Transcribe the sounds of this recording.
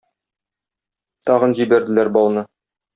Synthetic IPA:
t̪ɒʁɤnʑibæɾd̪ɘ̆læɾbɒlˠnɤ

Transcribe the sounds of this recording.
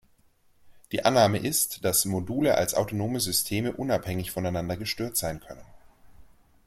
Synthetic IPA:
d̥iːʔanːaːməʔɪstd̥asmoduːləʔa̰lsʔa̰ʊtonoːməzʏstʰeːməʔʊnaphɛŋɪçfɔnaɪnandɐɡəʃtøːɐtz̥aɪnkʰœnən

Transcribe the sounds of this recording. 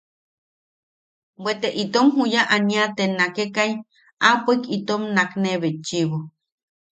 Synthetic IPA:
bwet̪eʔit̪omhujaʔaniat̪enakekai | apʷekit̪omnakneβet͡ʃiβo

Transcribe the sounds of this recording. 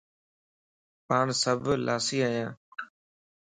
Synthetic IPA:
paːnsəbʱlʔaːsiːaːjãː

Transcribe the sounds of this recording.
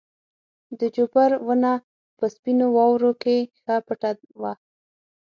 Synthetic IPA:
d̪əd͡ʒobaɾwəna | pəspinowɑwɾokexapəʈa | wa

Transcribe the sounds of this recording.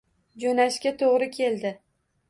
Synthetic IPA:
d͡ʒonaʃkʲat̪ʰoʁɾɪkʲʰe̞ld̪ɪ

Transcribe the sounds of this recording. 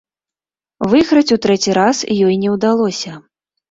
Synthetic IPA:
vɨɣɾɐt͡sʲut̪ɾɛt͡sʲiɾasjɔjnʲɛwd̪alˠɔsʲɐ

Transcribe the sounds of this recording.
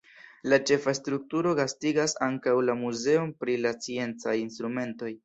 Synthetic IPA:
lat͡ʃe̞fastɾuk̚tuɾo̞ɡastiɡasaŋkawlamuze̞o̞npɾilat͡sie̞nt͡sajinst̪ɾume̞nto̞j

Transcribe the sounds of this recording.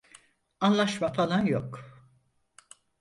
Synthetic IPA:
anlˠaʃmafalˠanjok

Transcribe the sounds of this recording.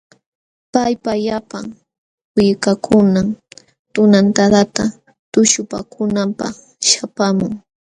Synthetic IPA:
pajpaʎapaŋ | wɪjkakʰʊnam | t̪ʊnant̪ad̪at̪a | t̪ʊʃʊpa̰kʰʊnampa̰χ | ʃapamʊŋ

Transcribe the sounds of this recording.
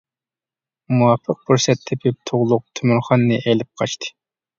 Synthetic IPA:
muwɑpʰːəq̚buɾsɛt̪ʰːɪpʰɪp̚t̪ʰoʁlˠʊq̚t̪ʰømyɾχɑnːɨʔɛlɪp̚qʰɑt͡ʃt̪ʰɨ̥

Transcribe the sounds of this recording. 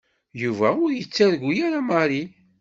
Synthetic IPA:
juvæʊɾjət͡sːæɾɡʷujæɾaməɾi

